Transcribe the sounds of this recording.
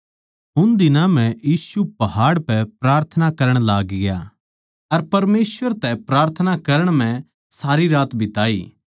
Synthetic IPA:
ɦʊnd̪ɪnãmɛ̃jiːsupɐɦaːɽpɛpɾaːɾt̪ʰənakɐɾəɽ̃laːɡɡja̰ | ɐɾpɐɾmeːsʋəɾt̪ɛpɾaːɾt̪ʰənakɐɾəɽ̃mɛ̃ | saːɾiɾaːt̪bʱɪt̪aːiː

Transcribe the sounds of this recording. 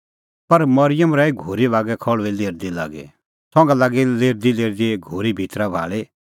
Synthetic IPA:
pɐɾmɐɾɪjəmɾaːiɡʱoːɾiʋaːɡɛkʰɔɭʋileːɾd̪ila̰ːɡɛ̰ | t̪ʰɔ̃ːŋɡɛlaːɡileːɾd̪ileːɾd̪iɡʱoːɾibʱit̪ɾabʱa̰ːɭi

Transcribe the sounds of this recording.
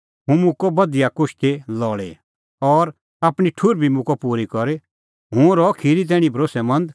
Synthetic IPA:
ɦũmũkɔbɐd̪ijakʊʃt̪elɔːɭḛ | ɔːɾ | aːpɽ̃iʈʰuɾbʱimũkɔpuːɾikɔɾe | ɦũɾɔkʰiːɾit̪̬ɛːɽ̃ĩbʱɾoːsɛmɐ̃nd̪

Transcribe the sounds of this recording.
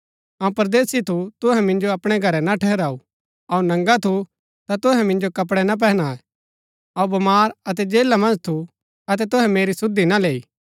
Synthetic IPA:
ãũpɐɾd̪eːsit̪ʰut̪ʊɦɛ̃mɪ̃nd͡ʒoɐpɽ̃ɛɡʱɐɾɛnaʈʰɛɦɾaːu | ɐunɐ̃ŋɡat̪ʰu | t̪at̪ʊɦɛ̃mɪ̃nd͡ʒokɐp̬ɽɛnap̬ɛːɦñaːɛ | ɐubɐmaːɾɐt̪ɛd͡ʒeːlamɐ̃nd͡ʒt̪ʰu | ɐt̪ɛt̪ʊɦɛ̃meːɾisʊd̪ːinaleːiː

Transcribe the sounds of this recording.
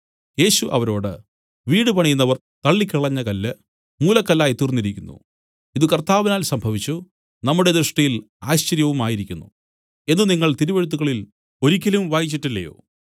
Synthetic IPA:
je̞ːɕuʔɐ̰ʋɐɾo̞ːɽɨ̰ | ʋiːɽɨpɐɳijunːɐʋɐr | t̪ɐɭːikʲːiɭɐɲːɐkɐlːɨ | muːlɐkːɐlːaːjit̪irnːiɾikʲːunːṵ | iðɨkɐrt̪aːʋinaːlsɐmbʱɐʋit͡ɕːu | nɐmːuɽe̞d̪ɾɨʂʈɐjil | aːɕt͡ɕɐɾjɐʋumaːjiɾikʲːunːṵ | e̞nːuniŋːɐɭt̪iɾuʋeɻut̪̬ːuɣɐɭil | o̞ɾik̬ʲːɐlumʋaːjit͡ɕːiʈːilːɐ̰jo̰ː

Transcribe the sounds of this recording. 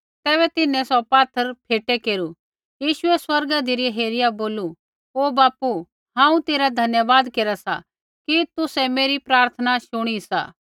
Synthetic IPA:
t̪ɛːβɛt̪ɪnɛ̃sɔpaːt̪ʰːəɾpʰeːʈekeːɾu | jiːʃʊɛswɐɾɡad̪ɪɾiɦeːɾɪjaboːlu | oːbaːpu | ɦãːũt̪eːɾad̪ʱɐnjəʋaːd̪keːɾasa̰ | kit̪ʊsɛmeːɾipɾaːɾt̪ʰənaʃʊɽ̃isa̰ː

